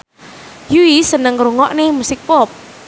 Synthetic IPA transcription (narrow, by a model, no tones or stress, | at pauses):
juisənəŋɾuŋɔʔnemusɪk̚pɔp̚